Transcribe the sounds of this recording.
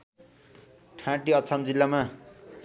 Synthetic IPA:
ʈʰãʈiʌt͡sʰamd͡zilːama

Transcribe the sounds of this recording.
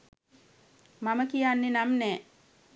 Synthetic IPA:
maməkijanːenamnɛː

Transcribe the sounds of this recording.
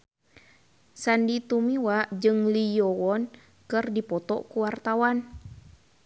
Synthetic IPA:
sandit̪umiwaʔd͡ʒɨŋlijɔwɔn | kɨrdipɔt̪ɔ̰ʔkuwart̪awan

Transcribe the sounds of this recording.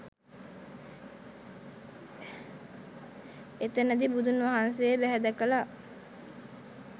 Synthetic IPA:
et̪ənəd̪ibud̪unʋaɦansejebæɦɛd̪əkəla

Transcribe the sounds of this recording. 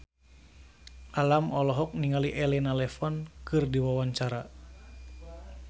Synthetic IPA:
ʔalamɔlɔɦɔk̚niŋaliʔɛlɛnalɛfɔnkɨrdiwawaɲt͡ʃaɾa

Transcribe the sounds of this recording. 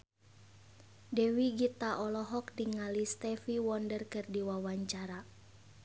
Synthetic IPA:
dɛwiɡit̪aʔɔlɔɦɔk̚diŋalist̪ɛfiwɔndərkɨrdiwawaɲt͡ʃaɾa

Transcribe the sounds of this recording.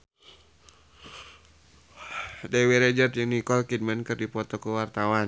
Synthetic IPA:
dɛwiɾɛd͡ʒət̪̚d͡ʒɨŋnikɔlkid̚mɛnkɨrdipɔt̪ɔkəwart̪awan

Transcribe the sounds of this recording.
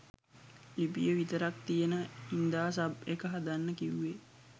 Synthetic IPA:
lipijəʋit̪əɾak̚t̪ijənəind̪aːsabekəɦad̪anːəkiuːe

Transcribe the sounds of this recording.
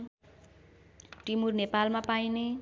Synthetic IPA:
ʈimurnepalmapajne

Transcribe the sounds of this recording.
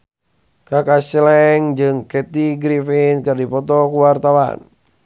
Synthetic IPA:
kakasɛlɛŋd͡ʒɨŋkɛt̪iɡɾifinkɨrdipɔt̪ɔkuwart̪awa̰n

